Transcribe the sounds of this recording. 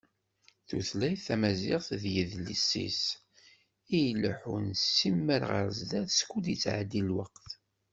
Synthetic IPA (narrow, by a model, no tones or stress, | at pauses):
θṵθlæjθæmæziʁθðjəðlḭsːḭs | ijləħunsːimːəɾʁə̰ɾzd̪æθskːud̪it͡sːʕa̰d̪ilwəqθ